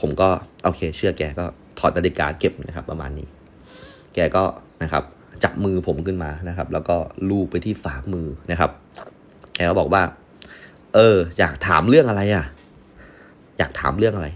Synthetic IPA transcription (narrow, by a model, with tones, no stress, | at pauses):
pʰo˩˦mkɔː˥˩ʔoː˧kʰeː˧t͡ɕʰɯ˥˩ɐkɛː˧kɔː˥˩ | t̪ʰɔː˨˩t̪̚ːa˧li˦˩ka̰ː˧ke˨˩p̚na˦˥kʰa˦˥pːɾa˧ma̰ː˧nːiː˦˥ | kɛː˧kɔː˥˩na˦˥kʰa̰˦˥p̚ | t͡ɕa˨˩p̚mɯː˧pʰo˩˦mkʰɯ˥˩nmaː˧na˦˥kʰa˦˥p̚lɛː˦˥wkɔː˥˩luː˥˩pa˧jt̪ʰiː˥˩faː˩˦mɯː˧na˦˥kʰa˦˥p̚ | kɛː˧kɔː˥˩bɔː˨˩k̚waː˥˩ | ʔɤː˧ja̰ː˨˩k̚t̪ʰaː˩˦mɾɯ˥˩əŋʔa˧ɾa˧jʔa˨˩ | ja̰ː˨˩k̚t̪ʰaː˩˦mɾɯ˥˩əŋʔa˧ɾa˧j